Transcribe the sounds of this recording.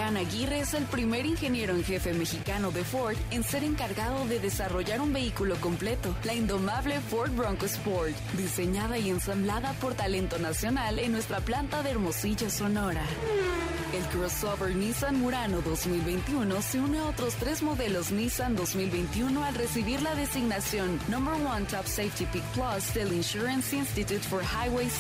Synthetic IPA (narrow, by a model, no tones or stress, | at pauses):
anaɣireese̞lpɾime̞ɾiŋxe̞nje̞ɾoeŋxe̞fe̞me̞xikano̞ðe̞fo̞ɾd̪e̞nse̞ɾe̞ŋkaɾɣaðo̞ðe̞ðe̞saro̞ʝaɾumbe̞ikulo̞ko̞mple̞t̪o̞laind̪o̞maβle̞foɾt̪̚bɾoŋkospoɾt̪d̪ise̞ɲað̞aie̞nsamblaðapo̞ɾt̪ale̞nt̪onasjo̞nalenːwe̞st̪ɾaplant̪aðeaɾmo̞siʝaso̞no̞ɾa | elkɾosoβeɾnisanmuɾano̞ðo̞zmilβe̞jnt̪iuno̞se̞uneao̞t̪ɾo̞st̪ɾe̞zmo̞ðe̞lo̞znisand̪o̞zmilβejnt̪iuno̞alre̞siβiɾlaðe̞siɣnasjo̞nːõmbeɾwant̪ɔpsejt̪ipik̚plasd̪e̞linʃuɾensinst̪it̪jut̪foɾxajwejs